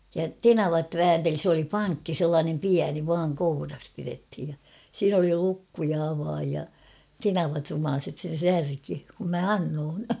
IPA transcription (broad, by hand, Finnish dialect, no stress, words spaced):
jɑ tenɑʋɑt ʋæːnteli s oli pɑŋkːi selːɑːnem piæni ʋɑːŋ kourɑs pirethij jɑ siːn oli lukːu jɑ ɑʋɑːj jɑ tenɑʋɑt rumɑːset sen̞ særki kum mæ ɑnːoːn